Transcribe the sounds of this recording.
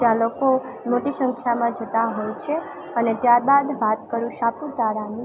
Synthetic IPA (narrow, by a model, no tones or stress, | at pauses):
jãloko | moʈiʃəŋkʰjamãd͡ʒət̪aɦojt͡ʃʰe | ənet̪jaɾbad̪ʋat̪kəɾũʃapud̪aɾani